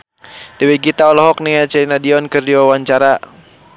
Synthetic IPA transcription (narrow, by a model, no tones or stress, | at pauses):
d̥ɛwɛɡit̪aɔlɔɦɔk̚niat͡ʃɛlinadiɔnkɨrdiwawaɲt͡ʃaɾa